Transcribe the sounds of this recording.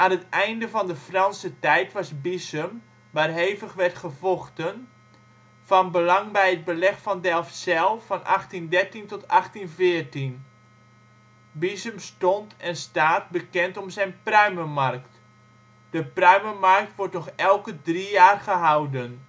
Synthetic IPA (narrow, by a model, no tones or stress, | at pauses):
ʔaːnətɛjndəvɔndəfrɑnsətɛjtʋɑsbisəm | ʋaːrɦeːvəxʋɛrtχəvɔxtən | fɔnbəlɑŋbɛjət̚bəlɛxfɔndɛlˠfsɛlˠfɔnʔaxtindɛrtintɔtaxtinfɪərtin | bisəmstɔntɛnstaːt̚bəkɛntɔmsɛjnprœɥməmarkt | d̥əprœɥməmark̚tʋɔrtnɔxɛlˠkədrijaːrχəɦawdən